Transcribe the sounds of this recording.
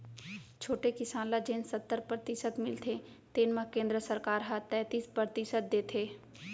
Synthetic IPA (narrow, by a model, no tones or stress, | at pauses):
t͡ʃʰoːʈekɪsaːnlad͡ʒeːnsət̪ːəɾpɾəɾt̪ɪsət̪mɪlt̪ʰe | t̪eːnmãkẽːnd̪ɾəsəɾkaːɾɦat̪ɛːt̪iːspɾəɾt̪ɪʃət̪̚d̪eːt̪ʰeː